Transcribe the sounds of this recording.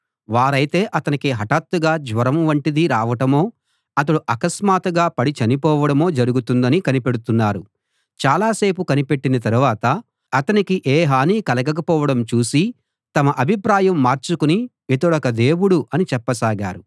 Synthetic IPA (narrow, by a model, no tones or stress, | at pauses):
ʋaːɾɐjt̪e̞ːʔɐt̪ɐnikiɦɐʈaːt̪ːuɡaːd͡ʒʋɐɾɐmʋɐɳʈid̪iɾaːʋɐʈɐmo̞ː | ɐt̪ɐɽuʔɐkɐsmaːt̪ɐɡaːpɐɽit͡ʃɐnipɔːʋɐɽɐmo̞ːd͡ʒɐɾuɡut̪und̪ɐnikɐnipe̞ɽut̪unːaːɾu | t͡ʃaːlaːse̞ːpukɐnipe̞ʈːinɐt̪ɐɾuʋaːt̪ɐː | t̪ɐnikiʔeːɦaːniːkɐlɐɡɐk̬ɐpɔːʋɐɽɐmt͡ʃuːsi | t̪ɐmɐʔɐbʱipɾaːjɐmːaːɾt͡ʃukuniʋit̪uɽɐkɐd̪e̞ːʋuɽuʔɐnit͡ʃɛpːɐsaːɡa̰ːɾu